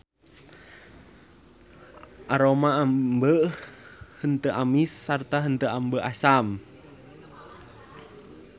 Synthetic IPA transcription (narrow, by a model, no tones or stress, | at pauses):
ʔaɾomaambə | hənt̪əʔamisːart̪aɦənt̪əʔambəʔasam